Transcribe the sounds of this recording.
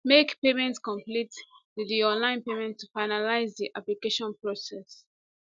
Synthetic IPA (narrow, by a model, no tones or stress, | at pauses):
mekpemɛ̃ntskɔ̃mplittudiɔ̃nlãɪ̃npemɛ̃ntʰːufaɪnalaɪzdiʔaplikeʃɔ̃npɹosɛs